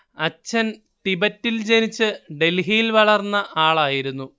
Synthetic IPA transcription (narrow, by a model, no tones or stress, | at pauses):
ɐt͡ɕːɐn | t̪ibɐtːild͡ʑenit͡ɕːɨɖe̞lɦijilʋɐɭɐrnːɐʔaːɭaːjiɾunːu